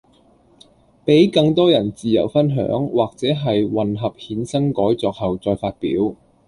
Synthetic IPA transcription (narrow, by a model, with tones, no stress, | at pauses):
pe˨˥jkɐ˧ŋt̪ɔː˥jɐ˨˩nt͡siː˨jɐ˨˩wfɐ˥nɦœ̰ː˨˥ŋwaː˨k̚t͡sɛː˨˥ɦɐ˨jwɐ˨nɦɐ˨p̚hiː˨˥nsɐ˥ŋkɔː˨˥jt͡sɔː˧k̚hɐ˨wt͡sɔː˧jfaː˧t̚pḭː˨˥w